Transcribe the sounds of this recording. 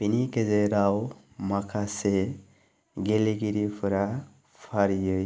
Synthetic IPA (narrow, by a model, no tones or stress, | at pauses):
b̥inikezeɾaw | makʰase | ɡeliɡiɾipʰɯɾa | pʰaɾijɯj